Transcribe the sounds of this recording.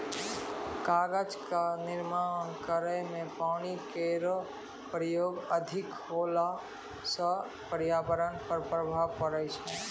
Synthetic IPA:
kaːɡəd͡ʒkanɪɾmankəɾəjmẽpaːñikeɾə | pɾəjoːɡəd̪ʱɪkhoːla | sə | pəɾjaːbəɾənpəɾpɾəbʱaːʋkəɾəjt͡ʃʰɛ

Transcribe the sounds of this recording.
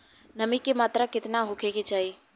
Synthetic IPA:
nəmikemaːt̪ɾakɪt̪naɦʊkʰeɡet͡ʃaːɦiː

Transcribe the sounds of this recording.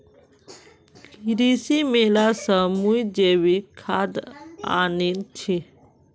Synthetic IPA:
kiɾisimelasəmujd͡ʒewikʰad̪a̰nint͡ɕʰi

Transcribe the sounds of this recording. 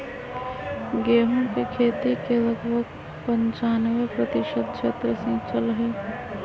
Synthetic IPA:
ɡeːɦõkekʰeːt̪ikeɾɐɡbʱəɡ | pə̃ɲt͡ʃaːnəʋəpɾət̪ɪʃət̪̚ʃet̪ɾəsĩːt͡ʃəlɦɛː

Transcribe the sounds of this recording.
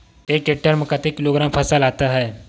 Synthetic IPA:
eːkeʈːəɾməkat̪ekɪloːɡɾãːmpʰɐsalaːt̪aɦɛː

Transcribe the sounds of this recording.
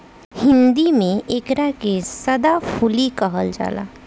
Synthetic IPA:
hɪnd̪imẽeːkɾakesəd̪apʰulikəɦəld͡ʒa̰ːla̰ː

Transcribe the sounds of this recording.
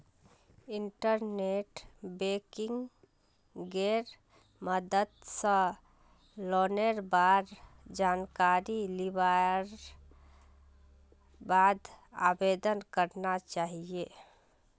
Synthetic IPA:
iɳʈəɾneʈbekɪŋɡ | ɡeɾ | məd̪ət̪sə̃ | lɔneɾbaɾd͡ʒankaɾilibaɾ | bad̪a̰bed̪ənkəɾnat͡ʃaɦie

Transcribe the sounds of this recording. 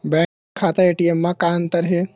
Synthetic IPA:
bɛ | kʰːaːt̪aeːʈiemːãkaːnt̪ɐɾɦe

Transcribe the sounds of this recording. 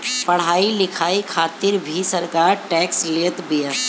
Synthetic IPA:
pɐɽ̤aːilɪkʰaːikʰaːt̪ɪɾbʱisəɾkaːɾʈɛːksleːt̪bijəs

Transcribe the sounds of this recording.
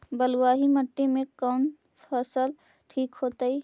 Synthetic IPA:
bəlwaːɦiməʈːimẽkaːn | pʰəsəl | ʈʰiːkɦoːt̪ai

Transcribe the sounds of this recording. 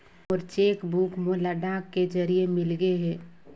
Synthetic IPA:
ɔːɾt͡ʃeːkbuːkmolaɖaːkːed͡ʒɐɾiemɪlɡeɦɛː

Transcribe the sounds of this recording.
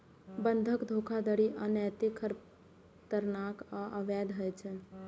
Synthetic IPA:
bənd̪ʱəkd̪ʱokʰad̪əɽiʔənɛt̪ikʰəɾ | t̪əɾnakaʔəʋɛd̪ɦəjt͡ʃʰɛ

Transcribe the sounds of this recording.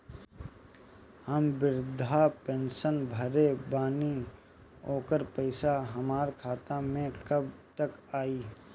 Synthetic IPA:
həmbɪɾd̪ʱapẽːnʃənbʱəɾebaːni | oːkəɾpəɪsaɦɐmaːɾkʰaːt̪amẽkɐb̚t̪əkaːiː

